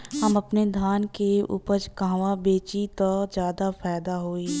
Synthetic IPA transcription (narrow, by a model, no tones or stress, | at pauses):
hɐmɐpned̪ʱaːnkeṵːpəɾt͡ʃkãːʋabeːt͡ʃit̪od͡ʒjaːd̪afʰaːd̪aɦoːiː